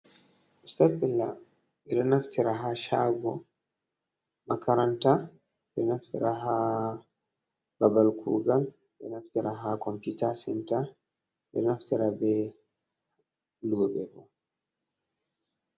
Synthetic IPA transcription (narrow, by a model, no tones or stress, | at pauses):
ʔistabɛlːa | ʔɛɗɛnaftʰiɾaɦaʃaːɡɔ | makaɾanta | ɓɛɾɛnaftʰiɾaɦa | babalkʰṵːɡal | ɗɛnaftiɾaɦakɔmpitasɛnta | ɛɾɛnaftiɾabɛ | luːbɛbɔ